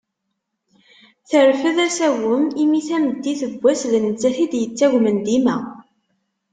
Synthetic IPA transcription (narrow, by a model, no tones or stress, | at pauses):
θəɾfəðæsæwəmimiθæməd̪ːiθəɡʷːæslənət͡sːæθid̪jət͡sːæʝmənd̪imæ